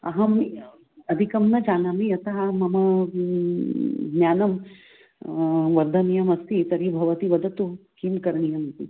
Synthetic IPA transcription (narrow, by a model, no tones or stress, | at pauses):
ɐ̰ɦɐ̃mi | ɐd̪ʱikɐmnɐd͡ʒaːnamiɐt̪ɐɦamɐmɐ | ɡnʲjaːnɐm | ʋɐɾd̪ʱɐnijɐmɐst̪it̪ɐɾibʱɐʋɐt̪iʋɐd̪ɐt̪ukiːmkɐɾɳijɐmɐt̪i